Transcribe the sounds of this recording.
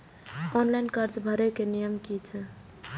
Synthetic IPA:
ɔnlajnkəɾt͡ʃbʱəɾekenijəmkit͡ʃʰə

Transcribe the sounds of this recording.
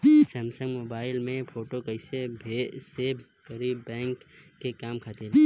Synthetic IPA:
səmsə̃ŋɡmoːbaːɪlmẽfʰoːʈokəɪsebʱese | kəɾibɛ̃ːŋkː | ekaːmkʰat̪eɾ

